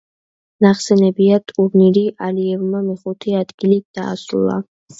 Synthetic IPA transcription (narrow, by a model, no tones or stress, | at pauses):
naχsɛnɛbiat̪ʼuɾniɾiʔaliɛvmamiχut̪ʰiad̪ɡilid̪̥a̰ːsɾṵlˠa̰